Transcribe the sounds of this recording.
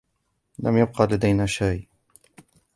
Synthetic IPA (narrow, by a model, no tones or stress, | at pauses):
lamjab̚qɑːlad̪ajnaʃaj